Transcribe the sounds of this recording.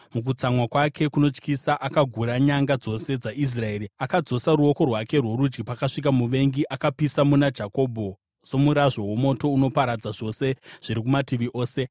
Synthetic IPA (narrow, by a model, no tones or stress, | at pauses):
muk̬ut͡samwakwakʰe̞kuno̞t͡ʃkisaʔakaɡʱuɾaɲaŋɡad͡zo̞se̞d͡zaʔis̬rae̞ːɾiakad͡zo̞saɾuo̞ko̞rwake̞rwoɾud͡ʒɡipakaʂik̬amuʋe̞ŋɡiʔakapisamunad͡ʒako̞ːbʱo̞ | so̞muɾaʐwawo̞mo̞to̞uno̞paɾad͡zaʐo̞se̞ʐ̥iɾikumatiʋiʔoːse̞